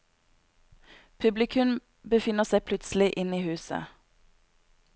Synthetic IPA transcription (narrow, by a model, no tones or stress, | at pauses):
pʰʉblɪkʰʉm | bəfɪnəʁsæɪpʰlʉt̪sl̩ɪʔɪniːhʉːsə̰